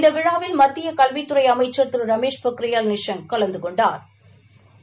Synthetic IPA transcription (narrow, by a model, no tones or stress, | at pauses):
ɪnd̪ɐʋɪɻaːʋɪlmɐt̪ːɪjɐkɐlʋɪt̪ːɯɾɐɪɐmɐɪt͡ʃːɐɾt̪ːɪɾɾɐmeːʂpɐkɾɪjaːlnɪʂɐnkɐlɐnd̪ɯkɔɳɖaːɾ